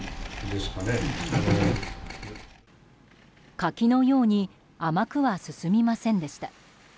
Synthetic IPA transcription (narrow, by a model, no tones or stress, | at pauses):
d̪esɨ̥kane | kakʲino̞jo̞ːɲ̟i | amakɯ̟βasɨsɨmʲimasẽ̞nd̪e̞ɕi̥t̪a